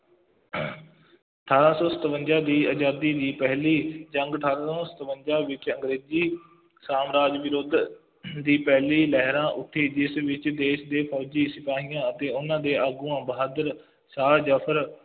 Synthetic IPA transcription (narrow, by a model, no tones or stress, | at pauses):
əʈʰaːɾãːsɔ̃ːsət̪ʋənd͡ʒãːd̪iːəd͡ʒaːd̪iːd̪iːpɛɦliːd͡ʒəŋɡəʈʰaːɾãːsɔːsə̥t̪ʋənd͡ʒaːʋɪt͡ʃəŋɡɾeːziː | saːmɾaːd͡ʒʋɪɾoːd̪ | d̪iːpɛɦliːlɛɦɾãːʔʊʈʰːiːd͡ʒɪsʋɪt͡ʃd̪eːʃd̪eːpʰɔːd͡ʒiːsɪpaːɦɪjãːət̪eːʊnãːd̪eːʔaːɡuːãːbəɦaːd̪əɾ | saːd͡ʒəpʰəɾ